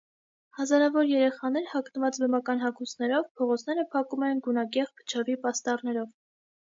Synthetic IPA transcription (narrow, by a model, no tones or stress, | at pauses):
hɑzɑɾɑvɔɾjɛɾɛχɑnɛɾhɑkʰnəvɑt͡sbəmɑkɑnɦɑkʰusʰnɛɾɔvpʰɔʁɔt͡sʰnɛɾəpʰɑkumɛjnɡunɑkɛʁpʰə̥t͡ʃʰɔvipɑst̪ɑrnɛɾɔv